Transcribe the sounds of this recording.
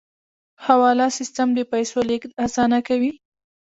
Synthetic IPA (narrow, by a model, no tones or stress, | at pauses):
hawɑlɑsɪst̪amd̪əpajsolekd̪asɑnakawi